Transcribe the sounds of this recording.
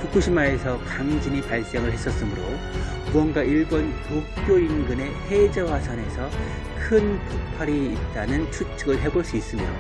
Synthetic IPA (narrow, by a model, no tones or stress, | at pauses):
kuk͈uɕʰimːaɾe̞sʰʌkaŋd͡ʑinipaɭs͈eŋɯɭɦe̞s͈ʌs͈ɯmɯɾo | buʌŋɡaiɭbonto | k͈joinɡɯne̞he̞d͡ʑewasʰʌne̞sʰʌ | kʰɯnpupʰaɾiːt̚t͈anɯnt͡ɕʰut͡ɕʰɯɡɯɭɦe̞boɭs͈uis͈ɯmio̰